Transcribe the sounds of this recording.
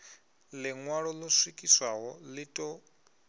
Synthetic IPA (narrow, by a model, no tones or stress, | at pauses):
lɪŋwaɺɔlɔswikʼiswaɣɔlitʼɔ